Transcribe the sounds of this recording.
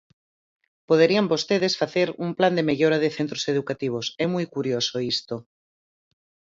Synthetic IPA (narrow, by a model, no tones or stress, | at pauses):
poð̞eɾiambost̪eðesfaθeɾumpland̪emeʎoɾaðeθent̪ɾoseðukat̪iβ̞osɛmujkuɾjosoist̪o